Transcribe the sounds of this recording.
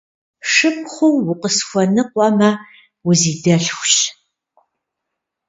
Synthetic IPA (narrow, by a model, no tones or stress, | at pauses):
ʂɨp̚χʷowːʊqəsxʷɐnɨqʷʼɔmɐ | wʊziːdɐɬxʷɕ